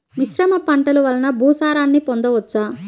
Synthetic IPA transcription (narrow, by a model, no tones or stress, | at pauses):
miʃɾɐmɐpɐɳʈɐluʋɐlɐnɐbʱuːsaːɾaːnːipond̪ɐʋɐt͡ʃːaː